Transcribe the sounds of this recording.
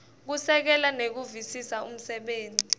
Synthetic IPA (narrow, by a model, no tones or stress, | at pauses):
k̬usɛk̬ɛlanek̬uvisisaum̩sɛɓeːnʱʼi